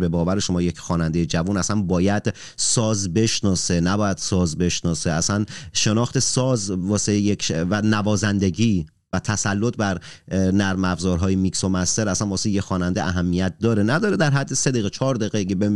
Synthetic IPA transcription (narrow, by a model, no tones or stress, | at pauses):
be̞bɒːvæɾeʃo̞mɒːje̞cʰxɒːnænd̪ejed͡ʒævunæsænbɒːjæd̪̥ | sɒːzbe̞ʃnɒːsenæbɒːjæd̪̥sɒːzbe̞ʃnɒːseæsænʃe̞nɒːxt̪ʰe̞sɒːzvɒːsejecʰvænævɒːzænd̪e̞ɟiː | væt̪ʰæsælːot̪̚ʰbæɾ | næɾmæbzɒːɾɦɒːjemikso̞mæst̪e̞ɾæsænbɒːsejexɒːnænd̪eʔæɦæmːijæt̪̚d̪ɒːɾenæd̪ɒːɾed̪æɾɦæd̪ːesed̪eɣet͡ʃʰɒːɾd̪eɣeɡebe